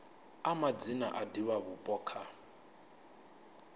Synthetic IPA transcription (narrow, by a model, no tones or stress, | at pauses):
amad͡zinaʔadiwaβupʼɔkʰa